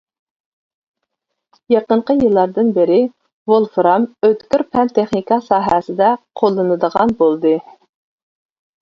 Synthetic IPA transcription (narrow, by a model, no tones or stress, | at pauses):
jɑqəɴqʰəjɨlˠːɑɾd̪ɨnbɪɾɪ | volˠfɾɑmøt̪kʲyɾpʰɛnt̪ʰeχnikɑsɑːɦɛsɪd̪ɛqʰolˠːɨnɨd̪əʁɑnbolˠd̪ɨ